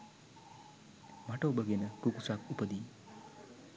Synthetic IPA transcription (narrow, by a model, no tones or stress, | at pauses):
maʈʌwbʌɡenʌkukusakupəd̪i